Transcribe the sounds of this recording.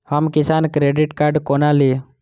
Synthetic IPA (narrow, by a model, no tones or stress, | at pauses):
hamkisankɾeɖiʈkaɾɖkɔnali